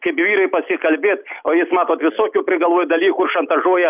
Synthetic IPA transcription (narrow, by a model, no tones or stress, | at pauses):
kʲɐbʲvʲiɾɨpɐsʲikɐlʲbʲet̪̚oismat̪ʋɐt̪ʲʋʲɨsokʲʊjʊpɾʲɪɡɐlˠʋojʊd̪ɐlʲikʊʂɐnt̪ɐʐojɐ